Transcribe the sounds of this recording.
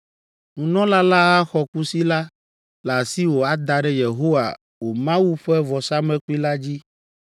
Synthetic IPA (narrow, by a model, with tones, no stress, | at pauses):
ŋũ˨nɔ̃˦la˦la˦ɣa˦xɔ˨ku˦si˦la˦ | la˨si˦wo˨a˦d̪a˨ɖɛ˦je˨ɦo˦wa̰˨ | wo˨mã˦wu˦ɸɛ˦vɔ˨sa˦mɛ̃˦ku˦i˦la˦d͡ʑi˦